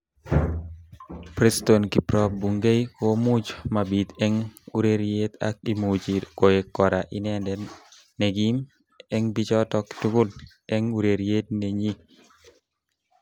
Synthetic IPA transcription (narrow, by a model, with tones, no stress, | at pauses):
pɾest̪onki˨pɾɔ˦p̚buŋɡe˦jkomud͡ʒma˨bit̪ɛ˦ŋu˦ɾeɾjet̪a̰k̚imud͡ʒiko˨je˨kːɔ˨ɾaʔinɛndɛn | nɛ˨ɡim | ɛ˦ŋbi˦t͡ʃɔ˦tɔ˦ktu˦kʊ˦l | ɛ˦ŋuɾe˨ɾje˦t̪̚neɲi˦